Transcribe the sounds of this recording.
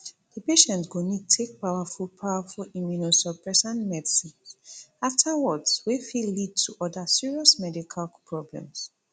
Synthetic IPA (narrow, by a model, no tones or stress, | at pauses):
d̥əpeʃɛ̃ntɡ̥onitʰek̚pawafulpʰaʊafɔlimjunusɔpɹɛsãnmɛdisĩnsaftʰawɔdswefilːid̚tʰuʔɔdəsiɹiɔsmɛdikʰalpʰɹɔblɛ̰̃ms